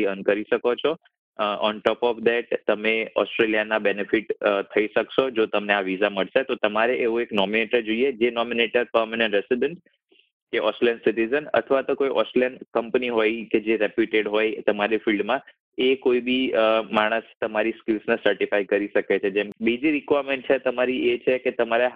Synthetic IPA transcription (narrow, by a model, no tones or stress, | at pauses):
iənkəɾiʃəkot͡ʃʰo | ɔnʈɔpɔfd̪ɛʈ̚t̪əmeɔsʈɾelijanabenefiʈt̪ʰəiʃəkʃod͡ʒot̪əmneaʋizaməɭʃet̪ot̪əmaɾeʔeʋũeknɔmineʈəɾd͡ʒoied͡ʒenɔmineʈəɾpəɾmanə̃ɳʈɾɛsiɖəɳʈ | keʔɔsʈlɛnsiʈizənə̰t̪ʰəʋat̪okojʔɔslenkəmpniɦojked͡ʒeɾepjuʈeɖɦojt̪əmaɾifilɖmã | ekoibimaɽ̃əst̪əmaɾiskilsnesəɾʈifajkəɾiʃəket͡ʃʰed͡ʒɛmbid͡ʒiɾikʋaɾmẽɳʈ̚t͡ʃʰet̪əmaɾiet͡ʃʰeket̪əmaɾeɦ